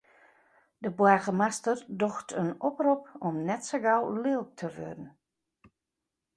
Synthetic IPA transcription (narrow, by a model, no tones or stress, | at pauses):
dəbwaɣəmastərdoxtʰənɔprupɔmnɛtsəɡawlɪːl̚ˠtʰəʋø̰dən̩